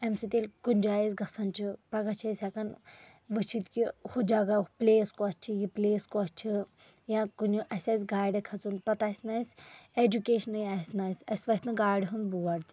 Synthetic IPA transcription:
emsit̪elʲkunʲd͡ʒaːjisʲɡɐsɐnt͡ʃʰipɐɡɐt͡ʃʰɐsʲakɐn | ʋɨt͡ʃʰit̪kihod͡ʒaɡapleːskoɐt͡ʃʰijipleːskoɐt͡ʃʰi | jãkunuʔɐsʲaːsʲɡaːjɖekʰɐt͡sunpɐt̪aːsʲnaːsed͡ʒukeːʃɐnɨjasʲnaːsʲɐ̰sʲʋɐt̪nɨɡaːjɖɦɨnbuʋɐɾt̪ʲ

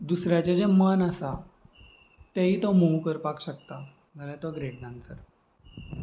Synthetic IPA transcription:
d̪usɾjat͡ɕad͡ʑemənəsa | t̪aɦiːt̪omoukəɾpakɕək̚t̪a | d͡zalat̪ʋaɡɾeʈ̚ɖansəɾ

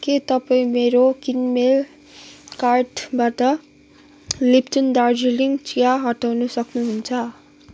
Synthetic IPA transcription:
ket̪ʌpaĩmeɾokinmel | karʈbaʈʌ | liptund̪ard͡ziliŋɡt͡sijaɦʌʈawnusʌknuɦunt͡sʰʌ

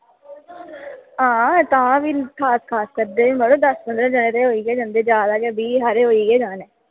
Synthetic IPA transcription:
ɦãːt̪aãːʋiːkʰaːskʰaːskəɾd̪eːĩːməɽõːd̪əspənd̪ɾãːd͡ʒənẽːɾeɦoːiːɡɛːd͡ʒãːnd̪eːd͡ʒaːd̪aːɡebiːɦəɾeːɦoːiːɡɛːd͡ʒaːnɛː

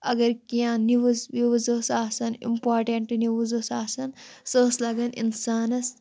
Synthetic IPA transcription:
ɐɡɐɾkijãːniʋuzʋiʋuzoːsaːsɐnḭmpaːɾʈeɳʈɨniʋuzosaːsɐnsoːslɐɡɐnḭnsaːnɐs

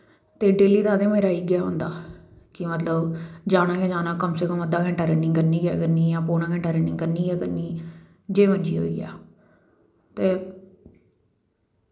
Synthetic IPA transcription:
t̪eːɖeːliːd̪aːd̪eːmeːɾaːiːɡɪjaːɦʊ̰̃ːnd̪a̰ːkɪmət̪ləbd͡ʒaːnaːkɛːd͡ʒaːnãːkəmseːkəmːəd̪aːkɛ̃ːɳʈaːɾeːɪːŋkəɾniːɡɛ̰ːkəɾniːjãːpoːɽaːkʰɛ̃ɳʈaːɾeːnɪ̃ŋkəɾniːɡɛːkəɾniː | d͡ʒeːməd͡ʒḭːɦo̰ːḭːɛ̰ː | t̪eː

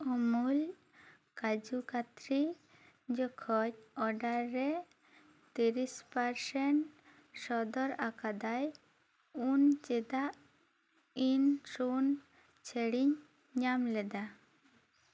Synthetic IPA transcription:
ɔmul | kad͡ʒukat̪ɾi | d͡ʒɔkʰɔc̚ɔɖaɾɾːɛ | t̪iɾispaɾsɛɳʈ | sɔd̪ɔɾakad̪aj | unt͡ʃɛd̪aʔ | insun | t͡ʃʰɛɽiɲ | ɲamlɛd̪a

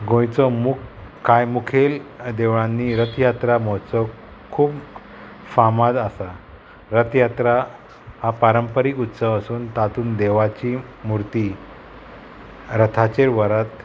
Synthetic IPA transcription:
ɡõjt͡sɔmukkajmukʰeld̪eʋɭãnːiɾət̪jat̪ɾamɔt͡sɔ | kʰuːb | famad̪asa | ɾət̪jat̪ɾa | hapaɾəmpəɾiːkut̪səʋəsuːnt̪at̪uːnd̪eʋat͡ɕi | muɾt̪i | ɾət̪ʰat͡ɕeɾʋəɾat̪

